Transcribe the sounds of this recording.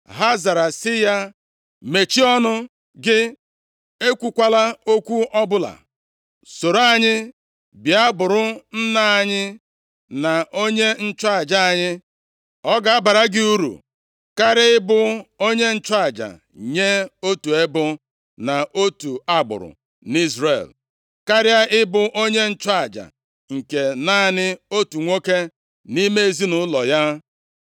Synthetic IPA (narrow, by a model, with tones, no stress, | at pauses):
ɦa˦za˨ɾa˨sɪ˦ja˦ | me˨t͡ʃi˦ɔ˦nʊ˦ | ɡɪ˦ | e˦kʷu˨kʷa˦la˦o˦kʷu˦ʔɔ˦bʊ˦la̰˨ | so˨ɾa˦ɲɪ˦ | bi˨a˦bʊ˨ɾʊ˦n̩˦na˦a˨ɲɪ˦ | na˨ʔo˦ɲe˦n̩˦t͡ʃa˦a˨d͡ʒa˦a˨ɲɪ˦ | ɔ˦ɡa˨a˦ba˨ɾa˦ɡɪ˦u˦ɾṵ˨ | ka˦ɾɪ˦ɪ˦bʊ˦o˦ɲe˦n̩˦t͡ʃa˨d͡ʒa̰˨ | ɲe˦o˦tu˨e˦bʊ˦ | na˨ʔo˦tu˨a˦ɡ͡bʊ̰˨ɾʊ̰˨ | ni˦zɾḛ˨l | ka˦ɾɪ˦a˦ʔɪ˦bʊ˦ʔo˦ɲe˦n̩˦t͡ʃa˨d͡ʒa̰˨ | ŋ̩˨ke˨na˦˨nɪ˦o˦tu˨ŋʷo˦ke˦ | ni˦me˦e˦zi˦nʊ˨˦lɔ˨ja˦